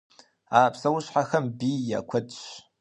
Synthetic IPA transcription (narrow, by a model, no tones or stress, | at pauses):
aːpʰsɐwʊɕħaxɐmbiːja̰kʷʰɐdɕ